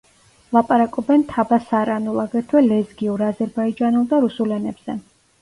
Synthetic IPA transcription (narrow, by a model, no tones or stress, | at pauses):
lˠapʼaɾakʼɔbɛnt̪ʰabasaɾanulˠaɡɛɾt̪ʰwɛlɛzɡiuɾazɛɾbaid͡ʒanɛlˠd̪aɾusulɛnɛbz̥ɛ